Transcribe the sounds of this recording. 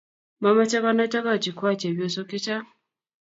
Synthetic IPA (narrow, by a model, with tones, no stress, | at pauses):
ma˨ma˦t͡ʃɛ˦ka˦na˦ta˦ka˦˨t͡ʃi˨ku˦a˦˨t͡ʃɛ˨bjɔ˦˨sɔ˦kɪ˦t͡ʃa˦